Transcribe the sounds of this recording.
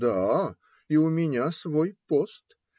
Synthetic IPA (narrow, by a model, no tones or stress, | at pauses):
d̪a | iʊmʲɪnʲasvojpost̪